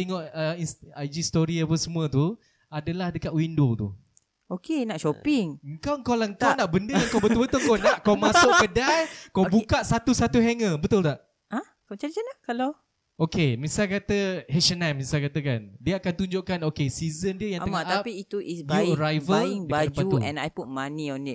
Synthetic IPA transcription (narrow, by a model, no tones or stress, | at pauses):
eŋɔʔəisad͡ʒist̪oɾiap̬əsəmũət̪u | adalahdəkat̪̚windot̪ṵ | okenaʔʃopɪŋəŋkawəŋkawlaəŋkawnaʔbəndəjãŋkawbət̪ʊlbət̪ʊlkonaʔkawmasʊʔkədajkawbukaʔsat̪usat̪uɦɛŋəbət̪ʊlt̪aʔ | ʔa | kət͡ʃad͡ʒanlahkalaw | okemisalkat̪əɦɛʃənɛmːĩsalkat̪əkandiəakant̪uɲd͡ʒʊʔkanokesizəndiəjaŋəŋmaʔapiːt̪uʔisbuɾajvəlŋdəbad͡ʒpaut̪uɛ̰̃najput̚manĩɔnit̚